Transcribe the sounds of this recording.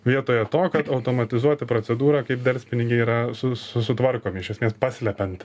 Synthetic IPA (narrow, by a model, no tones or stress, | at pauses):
ʋʲiɛt̪oːjɛt̪oːkɐt̪ɐʊt̪oːmɐt̪ʲɪzuɔt̪ʲɪpɾoːt͡ssʲɛd̪uːɾɑːkɐɪpd̪ʲɐlʲsʲpʲɪnʲɪɡʲɪiːɾɐsʊsʊsʊt̪ʋɐrkoːmʲɪɪʃʲɛsʲmʲeːspɑːsʲlʲɛpʲɛnt̪